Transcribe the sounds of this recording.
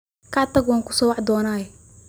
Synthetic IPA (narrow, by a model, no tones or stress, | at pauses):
kaʕt̪ɐɡwaːŋkʊ̥sɔːwaʕd̪ɔːnaːjɛ